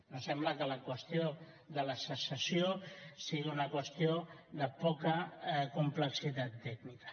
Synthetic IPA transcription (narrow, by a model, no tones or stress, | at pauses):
nosɛmbləkələkwəst̪io | ðələsəsəsiosiɣiunəkwəst̪ioðəpɔkəkumpləksit̪at̪ːɛɡnikə̥